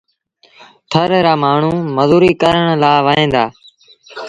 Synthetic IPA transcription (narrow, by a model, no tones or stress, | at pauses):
t̪ʰəɾɾaːmaːɳ̤ũːməzuːɾiːkəɾəɳ̃laːʋəɦẽːnd̪aː